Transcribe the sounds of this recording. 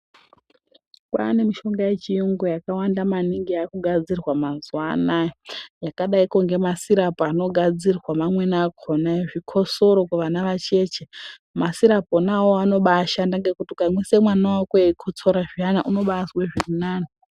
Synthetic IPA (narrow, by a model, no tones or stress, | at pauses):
kwa̰ne̞miʃo̞ŋɡaje̞t͡ʃiuŋɡojakawandamaniŋɡiakuɡʱad͡zirwamazuwanajojakaɗaikoŋɡe̞masiɾapoano̞ɡʱad͡zirwamamwe̞nakʰonajeʐikʰo̞so̞ɾo̞kuʋanaʋat͡ʃe̞ːt͡ʃe | masiɾaponawoano̞ɓaʃandaŋɡe̞kutikamwisemwanawakwekʰut͡soɾaʐianaʔuno̞ɓasweʐirinaːno